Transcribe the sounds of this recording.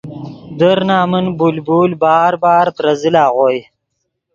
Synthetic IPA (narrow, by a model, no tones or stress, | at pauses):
d̪əɾnaːmənbulbuːlbɑːɾbɑːɾt̪ɾɐzilaːʁoːj